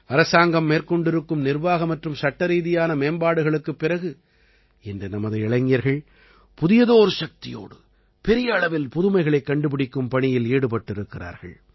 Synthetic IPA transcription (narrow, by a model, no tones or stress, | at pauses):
ɐɾɐsaːŋɡɐmːeːɾkɔɳɖɪɾɯkːɯmnɪɾʋaːɣɐmɐʈrɯmsɐʈːɐɾiːðɪjaːnɐmeːnbaːɽɯɣɐɭɯkːɯpːɪɾɐɣɯ | ɛndɯnɐmɐðɯɛɭɐɪŋːɪjɐɾɣɐɭ | pʊðɪjɐðoːɾʂɐk̚t̪ɪjo̰ːɽɯ | pɛɾɪjɐːɭɐʋɪlpʊðɯmɐɪɣɐɭɐɪkːɐɳɖɯpɪɽɪkːɯmpɐɳɪjɪleːɽɯpɐʈːɪɾɯkːɪra̰ːɾɣɐ̰ɭ